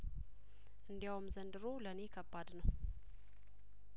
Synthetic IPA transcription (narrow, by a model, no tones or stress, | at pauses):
ʔɨnd̪jawmzənd̪ɨɾoləne̞kʰəbːad̪nəw